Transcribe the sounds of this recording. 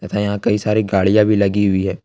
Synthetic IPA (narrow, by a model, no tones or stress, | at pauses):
ɐt̪ʰãjɐɦãkɐisaːɾiɡaːɭijãbʱilɐɡiɦʊiɦɛː